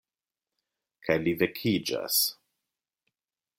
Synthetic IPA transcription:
kʰajlivɛkʰid͡ʒa̰s

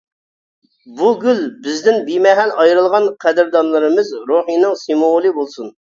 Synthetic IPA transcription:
buɡʲylbɪzd̪ɪnbimɛɦɛnɑjɾɨlˠʁɑnqʰæd̪ɪɾd̪ɑnlˠɨɾɨmɨzɾoχijnɨŋsimolˠɨbolˠsun

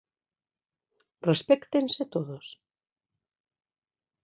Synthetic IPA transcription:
respɛkt̪enset̪oðos

